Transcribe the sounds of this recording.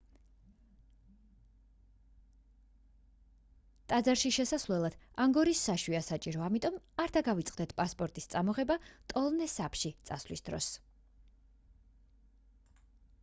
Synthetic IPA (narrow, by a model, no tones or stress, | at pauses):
t̪ʼad̪zaɾʃiʃɛsasvlɛlˠad̪̥aŋɡɔɾisːaʃwiasat͡ʃʼiɾɔamit̪ʼɔmaɾd̪aɡavit̪sʼqʼd̪ɛt̪ʰpʼaspʼɔɾt̪ʼist̪sʼamɔʁɛbat̪ʼɔlˠnɛsapʰʃit̪sʼaslisd̪̥ɾɔ̰s